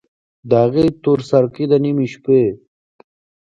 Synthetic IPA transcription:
d̪ːɣet̪oɾsɐɾkid̪animiɕpe

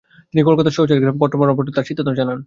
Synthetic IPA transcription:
t̪inikolkat̪aɾʃoɦt͡ɕaɾɡɾambɔɾʈ̪omaɾɔmp̬oɾʈ̪it̪aɾʃit̪ːot̪omd͡ʑanan

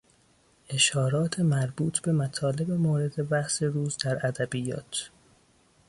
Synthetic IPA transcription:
ʔe̞ʃhɒːɾɒːt̪ʰemæɾbuːt̪ʰbe̞mæt̪ʰɒːle̞bemoːɾe̞d̪e̞bæʔse̞ɾuːzd̪æɾæd̪æbijɒ̰ːt̪ʰ

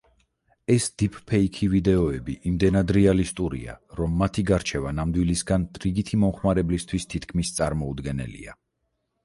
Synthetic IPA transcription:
ɛsd̪̥ipʰpʰɛikʰivid̪ɛɔɛbiʔimd̪ɛnad̪ɾɛalist̪ʼuɾḭa̰ɾɔmːat̪ʰiɡaɾt͡ʃʰɛvanamd̪wilisɡant̪ʼɾiɡit̪ʰimɔmχmaɾɛblist̪ʰwist̪ʰit̪ʰkʰmist̪sʼaɾmɔud̪ɡɛnɛ̰lḭa̰

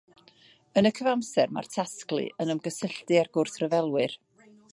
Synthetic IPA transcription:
ənəkʰəvamsɛrma̰rtʰasklˠɨ̰ʔənəmɡəsɪɬdɨarɡʊrθrəvɛlˠwɨr

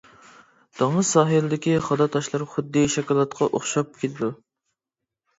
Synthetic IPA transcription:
d̪̥ɑŋɨsɑːɦɨlɨd̪ɪkʲiχɑd̪ɑt̪ʰɑʃlˠɑɾχʊd̪ːiʃɛkɑːlˠɑt̪qʰɑʔoχʃɑp̚kʲʰelʰɪd̪u

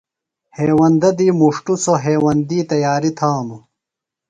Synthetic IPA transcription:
heːwɐnd̪ɐd̪iːmuʂʈusoɦeːwɐnd̪iːt̪ɐjaːɾit̪ʰaːnu

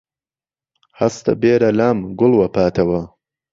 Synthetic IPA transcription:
hɐst̪ɐ̰beːɾɐlaːmɡʊlwɐpʰaːt̪ʰɐwɐ

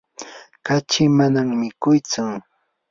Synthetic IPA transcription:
kat͡ʃɪmanaŋmɪkʊjt͡sʊ

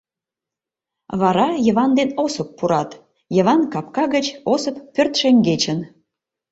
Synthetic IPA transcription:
βɑɾɑjə̆βɑnd̪enosə̆pːuɾɑt̪ | jə̆βɑnkɑpkɑɣət͡ɕosə̆pːørt̪ʃeŋɡet͡ɕən

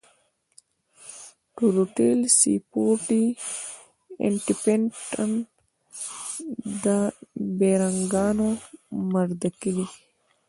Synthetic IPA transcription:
ʈuɾuʈelsḭpoːʈi | ḛɳʈipeɳʈən | d̪əbeɾaŋɡɑːnomɐɾd̪əkili

